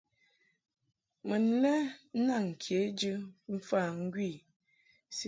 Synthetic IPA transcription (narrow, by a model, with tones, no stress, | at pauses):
mə˨n̩˦lɛ˦na˦˨ŋ̩˨kʰe˨˦d͡ʒɨ˦m̩˦fa˦˨ŋ̩˦ɡwi˦˨ | s